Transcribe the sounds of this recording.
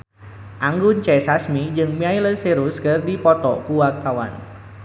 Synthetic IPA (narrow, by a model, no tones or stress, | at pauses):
ʔaŋɡʊnt͡ʃɛsasmid͡ʒɨŋmiajləseɾuskɨrdipɔt̪ɔpuwak̚t̪awa̰n